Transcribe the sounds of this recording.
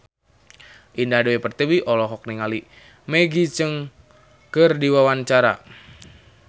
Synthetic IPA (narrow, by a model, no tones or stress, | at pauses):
ʔindadewepərt̪iwiʔɔlɔɦɔk̚niŋali | meɡit͡ʃɨŋ | kərdiwawant͡ʃaɾa̰